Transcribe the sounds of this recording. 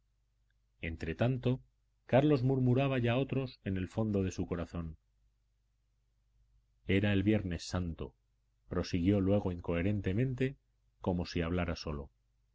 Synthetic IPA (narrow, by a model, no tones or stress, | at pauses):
e̞nt̪ɾe̞t̪ant̪o̞ | kaɾlo̞zmuɾmuɾaβ̞aʝao̞t̪ɾo̞se̞ne̞lfo̞nd̪o̞ðe̞suko̞ɾaθo̞n | e̞ɾae̞lβje̞ɾne̞sːant̪o̞̰ | pɾo̞siɣjo̞lwe̞ɣ̞o̞iŋko̞e̞ɾẽ̞nt̪e̞mẽ̞nt̪̬e̞ | ko̞mo̞siaβ̞laɾaso̞lo̞̰